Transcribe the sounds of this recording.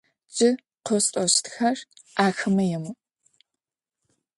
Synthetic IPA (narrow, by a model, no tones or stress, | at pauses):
d͡ʒɪ | qʷɔstʼɔɕtxɐrʔaːxɨmɐjɛmu